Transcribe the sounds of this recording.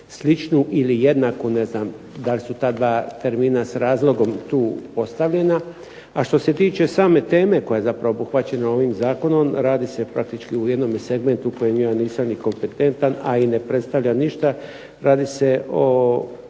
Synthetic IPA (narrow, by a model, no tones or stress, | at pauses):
slit͡ʃnuʔilijed̪nakune̞znam | d̪alʲsut̪aːd̪ʋaːt̪e̞ɾmiːnasaɾaːzlˠo̞ɡo̞mt̪uːpo̞st̪aʋʎe̞na | aʃt̪o̞se̞t̪iːt͡ʃe̞saːme̞t̪e̞ːme̞ko̞jajzapɾaʋobuxʋat͡ɕe̞nao̞ʋiːmzaːko̞no̞mɾaːd̪ise̞pɾak̚t̪it͡ʃkiujed̪no̞mese̞ɡme̞nt̪uko̞jemjaːniːsamniko̞mpe̞t̪e̞nt̪anainepɾet̪st̪aʋʎaniʃt̪a | ɾaːd̪ise̞o